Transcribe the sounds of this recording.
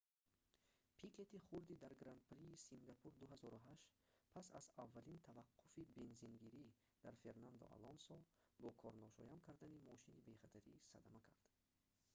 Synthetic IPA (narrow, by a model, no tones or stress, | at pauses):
pʰikʰe̞t̪iχuɾd̪id̪aɾɡɾand̪̚pɾiːsiŋɡapʰuɾd̪uɦazɔɾuɦaʃt̪pʰasa̰zavːalint̪ʰavaqʰːufibe̞nzinɡiɾi | d̪aɾfe̞ɾnand̪ɔ̰ʔa̰lɔnsɔlbɔkʰɔɾnɔʃɔjamkʰaɾd̪animɔʃinibe̞χat̪ʰaɾisad̪amakʰaɾd̪̥